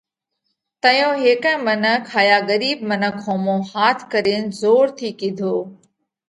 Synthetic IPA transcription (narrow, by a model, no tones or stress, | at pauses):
t̪əjõːɦeːkə̃mənəkʰaːjaːɡəɾiːbmənəkʰõːmõːhaːt̪ʰkəɾeːnzoːɾt̪ʰiːkĩd̪ʱoː